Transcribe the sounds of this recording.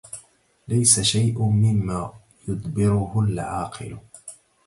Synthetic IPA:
lajsaʃajʔʊmɪmːaː | jʊd̪ˤbɪɾʊhʊlʕɑːqʰɨ̰lʊ

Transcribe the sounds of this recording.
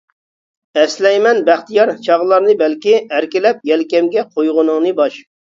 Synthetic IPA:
ɛslɛjmɛnbæχt̪ijɑɾt͡ʃʰɑʁlˠɑɾnɨbɛlkʲiæɾkʲɪlɛp̚jɛlkʲɛmɡʲɛqʰojʁʊnɨŋnɨbɑʃ

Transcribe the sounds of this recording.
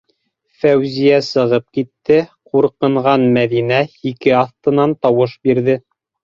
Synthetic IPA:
fæwzijæsɤ̆ʁɤp̚kit̪ːɘquɾqɤ̆ɴʁɑnmæðinæikɘɑθt̪ɤ̆nɑnt̪ɑwɤʃbiɾðɘ

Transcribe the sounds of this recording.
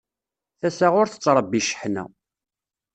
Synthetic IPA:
θæsaʁʊɾθə̥t͡sːɾˤəbːiʃə̥ħnæ̰

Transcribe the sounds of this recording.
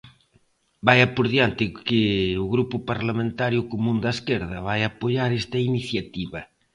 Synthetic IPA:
bajɐpoɾðjant̪ɪkɪʊɣɾupʊpaɾlamẽnt̪aɾjʊkomũnd̪ɐskeɾðɐβajapoʎaɾest̪ɐiniθjat̪iβɐ

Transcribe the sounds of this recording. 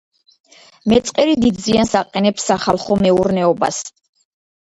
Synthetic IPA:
mɛt̪sʼqʼɛɾid̪id̪ziansaqʼɛnɛpsːaχalˠχɔmɛuɾnɛɔba̰s

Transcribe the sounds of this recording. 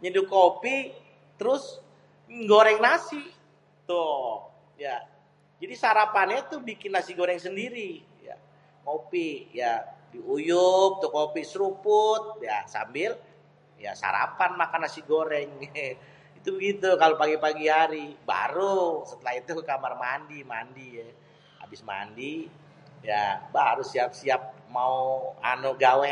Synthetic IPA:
ɲidukopi | t̪əɾʊs | ɡoɾɛŋnasi | t̪ʊ | ja | d͡ʒadisaɾapanɲait̪ubikɪnːasiɡoɾɛŋsəndiɾi | ja̰ | kopijadiujʊp̚t̪ukopisɾupʊt̪̚ja̰sa̰mbɪl | ja̰sa̰ɾa̰panmakanːasiɡoɾɛŋ | it̪ubəɡit̪ukalopaɡipaɡiɦaɾiba̰ɾusət̪əlaɦit̪ukamarmandimandiɛ | a̰bɪsma̰ndi | jabaɾusiap̚siap̚maua̰noɡawɛ

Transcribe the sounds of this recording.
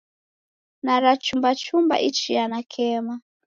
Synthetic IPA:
naɾat͡ʃumbat͡ʃumba̰ʔit͡ʃijanakʰɛma

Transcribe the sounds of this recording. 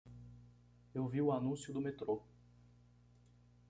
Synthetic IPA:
ewviʊanũsjʊd̪ʊmet̪ɾo

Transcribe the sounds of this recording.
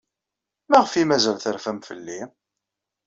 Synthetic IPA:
mæʁəfimæzælθəɾfæmfə̰lːi

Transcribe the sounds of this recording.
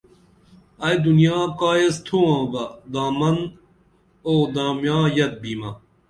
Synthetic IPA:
ɐjd̪unijaːkaːjest̪ʰuãːbɐd̪aːmɐn | oːd̪aːmjãːjɐt̪̚biːma

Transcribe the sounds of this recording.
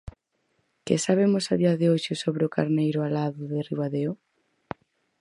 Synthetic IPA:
kɪsaβemʊsaðiɐðɪoʃɪsoβɾeʊka̰ɾnejɾʊalaðʊðɪriβaðeo

